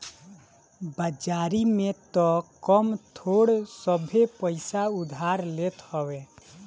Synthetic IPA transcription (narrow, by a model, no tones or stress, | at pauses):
bəd͡ʒaːɾimẽt̪ɔkəmt̪ʰoːɽsəbʱepəɪsaʊd̪ʱaɾleːt̪hɔwe